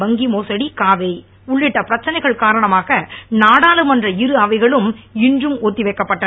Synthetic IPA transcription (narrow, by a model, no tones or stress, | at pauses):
bɐŋɡimoːsɐɽikaːʋɐɪ | ʊɭːɪʈːɐpɪɾɐt͡ʃːɐnɐɪɣɐɭkaːɾɐɳɐmaːɣɐnaːɽaːlɯmɐndrɐɪɾɯɐʋɐɪɣɐɭɯmɪndrɯmoːt̪ːiʋɐɪkːɐpːɐʈːɐ